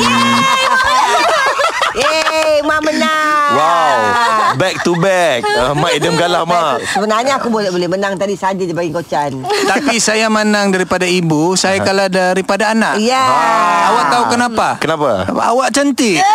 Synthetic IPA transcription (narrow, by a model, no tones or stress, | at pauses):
emamənaŋwawbɛk̚t̪ubɛk̚maidəmkalahmasəbənarɲaakubolɛbolɛhmənaŋt̪adisad͡ʒidibaɡikot͡ʃant̪apisajamanaŋdaɾipadaibusajakaladaɾipadaːnaʔjaaawaʔt̪aukənapakənapaa̰waʔt͡ʃənt̪ɪ